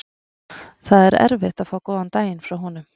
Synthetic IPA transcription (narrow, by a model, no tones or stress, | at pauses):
θaðɛɾɛ̰ɾvɪht̪aðfaːwkɔːðant̪aːjɪnfɾawɦɔnʏm